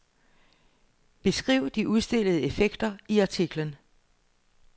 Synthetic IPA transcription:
b̥e̝sɡ̥ʁḭʊ̰d̥iʔuðˠsd̥e̝l̰əð̞̩ˠəe̝feɡ̥d̥ɐiɑ̈t͡sʰiɡ̥lən

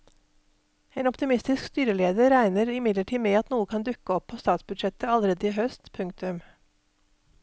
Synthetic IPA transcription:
eːnɔpt̪ɪmɪst̪ɪskst̪yːɾəleːd̪əɾæɪnəɾɪmɪd̪ləʈʰiːmeːɑt̪nuːəkʰɑnd̪ʉkəɔpʰːoːst̪ɑːt̪sbʉd̪ʃɛt̪əɑləɾeːd̪əiːɦœst̪pʰʉŋk̚t̪ʉm

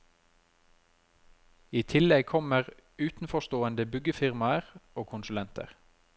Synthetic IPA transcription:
iːt̪ʰɪlɛɡ̚kʰɔməʁ | ʉːt̪n̩fɔʃt̪oːənd̪əbʏɡəfɪʁmɑəʁoːkʰʊnsʉlɛnt̪ʰə̰ʁ

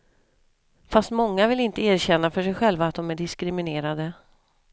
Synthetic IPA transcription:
fast̪mɔŋːavɪlɪnt̪əæːɾɕɛnːafœʂɛjɧɛlvaːt̪̚d̪ɔmæɖɪskɾɪmɪneːɾad̪ə

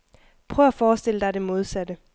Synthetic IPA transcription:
pʰʁœːʊæfɒːsd̥e̝l̰əd̥ɑ̈de̝mo̝ð̞ˠsæd̥ə

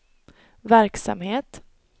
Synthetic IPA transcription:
væɾksa̰mheːt̪

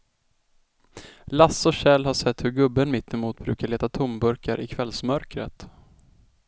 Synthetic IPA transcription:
lasːɔɕɛlhaʂɛt̪ːhɵɾɡɵbːənmɪt̪ʰːɛmuːt̪̚bɾʉ̟ːkaɭeːt̪at̪ʰʊmbɵɾkaɾʔɪkʰvɛlsmœɾkɾə̰t̪

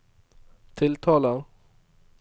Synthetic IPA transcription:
t̪ʰɪlt̪ʰɑːla

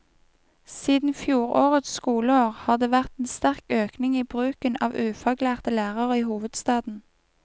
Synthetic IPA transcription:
siːd̪n̩fjuːʁo̰ːʁət̪sskuːləoːʁhɑːʁd̪eːʋæʁt̪eːnst̪æʁkøːknɪŋiːbʁʉːkənɑːʋʉːfɑɡlæːʁt̪əlæːʁəʁəiːhuːʋəd̪st̪ɑːd̪n̩

